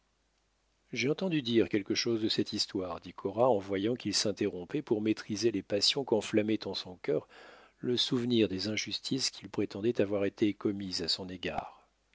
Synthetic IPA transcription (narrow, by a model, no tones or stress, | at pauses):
ʒeɑ̃t̪ɑ̃d̪yd̪iʁkʲɛlkəʃozd̪əsɛt̪ist̪waʁd̪ikʰɔʁaɑ̃vwajɑ̃kʲilsɛ̃t̪eʁɔ̃pɛpuʁmet̪χizelepasjɔ̃kɑ̃flamɛt̪ɑ̃sɔ̃kʲœːʁ | ləsuvniʁd̪ezɛ̃ʒyst̪ʰiskʲʰilpχet̪ɑ̃d̪ɛt̪avwaʁet̪ʰekɔmizasɔ̃neɡa̰ːʁ